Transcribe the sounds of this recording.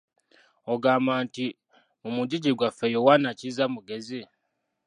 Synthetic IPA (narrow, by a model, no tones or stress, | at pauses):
oɡaːmbaːnti | mumuɟiɟiɡwafejowanacizamuɡezi